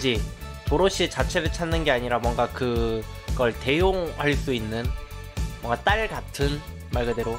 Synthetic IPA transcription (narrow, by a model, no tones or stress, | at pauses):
d͡ʑi | toɾoɕ͈ʰiet͡ɕat͡ɕʰe̞ɾɯɭt͡ɕʰanːɯnɡe̞aɲiɾamwʌŋɡakɯ | ɡʌɭte̞joŋhaɭs͈uinːɯnmwʌŋɡat͈aɭkatʰɯn | maɭɡɯdeɾo